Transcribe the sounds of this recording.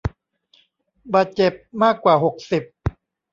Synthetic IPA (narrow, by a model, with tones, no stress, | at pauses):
baː˨˩t̪̚t͡ɕe˨˩p̚maː˥˩kːwaː˨˩ɦo˨˩k̚si˨˩p̚